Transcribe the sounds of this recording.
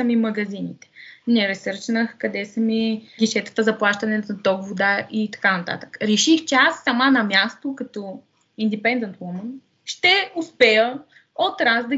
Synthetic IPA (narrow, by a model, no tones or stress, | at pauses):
səmimɐɡɐzinḭt̪ɛ̥nɛɾɛsɤɾt͡ʃnəxkɐd̪ɛsəmiɡʲiʃɛt̪ə̥t̪əzɐplˠaʃt̪ɐnɛnɐt̪ɔɡvod̪aʔit̪ɐ̥kanɐt̪a̰t̪ə̥kə̥ɾɛʃixt͡ʃɛasːɐmanɐmjast̪okɐt̪ɔ | ind̪ipɛnd̪ɛnt̪wɔmən | ʃt̪ɛʊspɛjə | ot̪ɾazd̪ɐ